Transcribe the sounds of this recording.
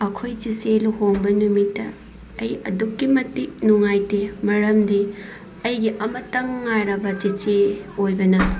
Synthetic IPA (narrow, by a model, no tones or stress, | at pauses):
ɐkʰojt͡ʃiseluhoŋbɐnumitːɐ̰ː | jɐdukːimɐtik̚nuŋajtemɐɾɐmdi | ɐjɡiʔɐmɐtɐŋːajɾɐbɐt͡ʃet͡ʃeojbɐnɐ